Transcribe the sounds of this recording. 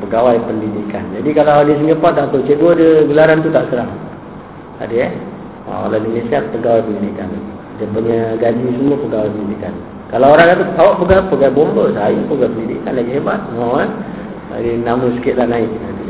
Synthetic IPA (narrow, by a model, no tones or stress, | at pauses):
pəɡawajpəndidikand͡ʒadikalaɦadis̬iŋɡəpat̪̚dat̪ot͡ʃeʔ̚ɡwədəɡəlaɾant̪ut̪aʔsəɾaŋ | a̰dəə | wa̰ka̰ladinesiapəɡawajpəndidika̰n | dəpuɲəɡad͡ʒisəmuəpəɡawajpəndidikan | kalaoɾaŋat̪ukawaʔpəɡapəɡajbombəsajupəɡajpəndidikanlaɡiɦeba̰t̪̚ŋɔa | a̰dinaməsə̥kɪt̪̚lanaɪʔa̰t̪u